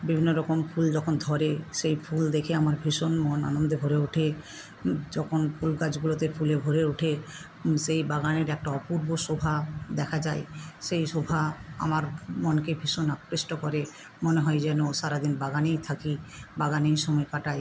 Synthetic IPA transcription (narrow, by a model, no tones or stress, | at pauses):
bibʱinːoɾɔkompʰuld͡ʑɔkʰond̪ʱɔɾeʃejpʰuld̪ekʰeamaɾbʱiʃonmɔna̰nond̪ebʱoɾeuʈʰe | d͡ʑɔkʰonpʰulkad͡ʑɡulot̪epʰulebʱoɾeuʈʰe | sejbaɡaneɾɛk̚ʈaɔpuɾboʃobʱad̪ɛkʰad͡ʑaeʃejʃobʱaa̰maɾmɔnkebʱiʃonakɾesʈokɔɾe | moneɦɔjd͡ʑɛnoʃaɾad̪inbaɡanijt̪ʰakibaɡanijʃɔmɔekaʈaj